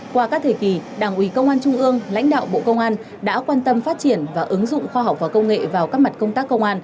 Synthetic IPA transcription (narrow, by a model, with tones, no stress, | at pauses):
kwaː˧kaː˦˥k̚t̪ʰe˧˩ki˨˩ɗaː˨˧˩ŋʔwi˨˦kə˧wŋ͡mʔaː˧nt͡ɕʊ˧ŋ͡mʔɨ˧əŋla̰˧˥jŋ̟ɗa̰ː˧˨wɓo̰˧˨kə˧wŋ͡mʔaː˧n | ɗa̰ː˧˥kwaː˧nt̪ə˧mfaː˦˥t̚t͡ɕi˧˩ənvaː˨˩ʔɨ˨˦ŋzʊ̰˧˨ŋ͡mxwaː˧ɦa˨˩k͡p̚vaː˨˩kə˧wŋ͡mŋḛ˧˨vaː˨˩wkaː˦˥k̚ma˨˩t̚kə˧ŋ͡mt̪aː˦˥kːə˧wŋ͡mʔaː˧n